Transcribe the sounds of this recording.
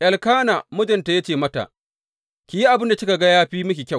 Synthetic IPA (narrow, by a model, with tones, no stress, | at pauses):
ʔɐ˨lkaː˦naː˨mʊ˦d͡ʒɐ˨nta˨ja˦t͡ʃeː˨mɐ˦ta̰˨ʔ | kʲi˨ji˦ʔa˨bɪ˦nda˨t͡ʃɪ˦ka˨ɡɐ˦jaː˦ɸiː˦mʊ˦kʲi˨kʲa˦˨